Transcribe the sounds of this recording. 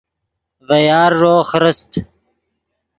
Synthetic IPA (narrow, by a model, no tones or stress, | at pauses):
vɐjɑːɾːoːxɾəst̪